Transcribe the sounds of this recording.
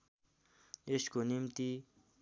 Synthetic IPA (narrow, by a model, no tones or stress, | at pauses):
eɕkonimt̪i